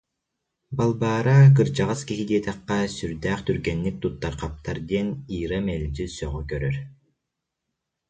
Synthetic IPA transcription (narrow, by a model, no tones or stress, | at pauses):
balˠbaːɾak̬ɯɾd͡ʑaʁaskiɦid̪iɛt̪ɛqːɛsyɾd̪æːχt̪yɾɡɛnːik̚t̪ut̪ːaɾqap̚t̪aɾd̪iɛniːɾamɛlʲd͡ʒysœʁykœɾœɾ